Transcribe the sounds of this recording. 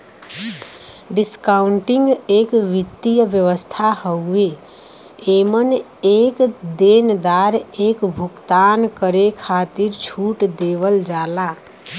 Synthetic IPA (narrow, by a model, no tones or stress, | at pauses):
ɖiskaʊɳʈiŋɡekʋit̪ːijəʋjəʋəst̪ʰahəe | emən | ekd̪end̪aɾekbʱukt̪ankəɾekʰat̪iɾt͡ʃʰuʈd̪eʋəld͡ʒala